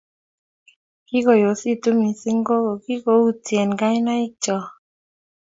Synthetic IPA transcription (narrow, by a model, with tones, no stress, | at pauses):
kɪ˦ko˨jo˨si˦t̪u˦mi˨sɪ˦ŋɡo˦ɡo˨ki˦ko˨˦u˦t͡sjɛ˨nɡa˦jna˦ɪ˦k̚t͡ʃɔ˨